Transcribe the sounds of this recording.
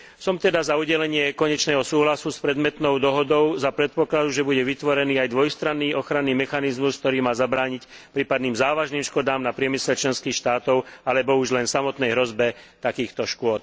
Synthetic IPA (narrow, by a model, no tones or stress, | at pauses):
sɔmt̪ɛd̪azauɟɛlɛɲɪɛkɔɲɛt͡ʃnɛːɦɔsuːɦlasuspɾɛd̪mɛt̪nɔʊd̪ɔɦɔd̪ɔʊzapɾɛt̪̚pɔklad̪uʒɛbuɟɛʋit̪ʋɔɾɛniːajd̪ʋɔjst̪ɾanːiːɔxɾanːiːmɛxanizmusk̚t̪ɔɾiːmaːzabɾaːɲicpɾiːpad̪niːmzaːʋaʒniːmʃkɔd̪aːmnapɾɪɛmislɛt͡ʃlɛnskiːxʃt̪aːt̪ɔʊalɛbɔuʒlɛnsamɔt̪nɛjɦɾɔzbɛt̪akiːxt̪ɔʃkʊɔt̪̚